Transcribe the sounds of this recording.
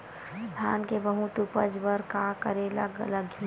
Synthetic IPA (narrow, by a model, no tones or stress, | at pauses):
st̪ʰaːnkebəɦũt̪upəd͡ʒbəɾkakəɾeːlaɡɐləɡʱi